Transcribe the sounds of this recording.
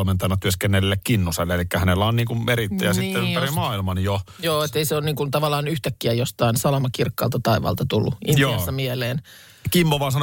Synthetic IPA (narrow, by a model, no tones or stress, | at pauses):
lment̪ɑjɑnːɑt̪yøskenːelilːekkinːuselːeelikːæhænelːæonniːŋkumeɾit̪ːæ̰jɑsit̪ːeymærimɑːilmɑnjojoːet̪ːeiseoːnniːŋkunt̪ɑʋɑlːˑɑːnyht̪ækːiæjost̪ɑinsɑlɑmɑkirkːɑ̰ːlt̪ɑt̪ɑiʋɑ̰ːlt̪ɑt̪ulːuʔiniɑsːɑmieleːn | kimːoʋɑːnsɑn